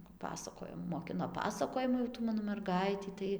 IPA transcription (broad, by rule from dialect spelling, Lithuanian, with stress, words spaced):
pɐˈpɑːsɐkoːjoː moːˈkʲɪnoː ˈpɑːsɐkoːjɪmʊ jɛʊ ˈtuː ˈmɑːnoː mʲɛrˈɡɐɪtʲiː ˈtɐɪ